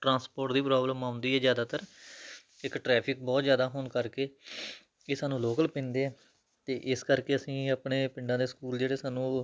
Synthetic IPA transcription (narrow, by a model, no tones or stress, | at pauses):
ʈɾãːspoːɾʈd̪iːpɾaːbləmãːʊ̃nd̪iːɦɛːzjaːd̪aːt̪əɾ | ɪkʈɾɛːpʰɪk̚bɔːt̪zjaːd̪aːɦoːnkəɾkeː | eːsaːnũːloːkəlpẽːnd̪eːɛː | t̪eːʔɪskəɾkeːəsĩːapɳeːpɪɳɖãːd̪eːskuːld͡ʒeːɽeːsaːnũː